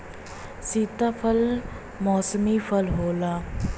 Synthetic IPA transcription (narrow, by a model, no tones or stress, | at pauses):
siːt̪apʰəl | mɔːsəmipʰəlɦoːlaː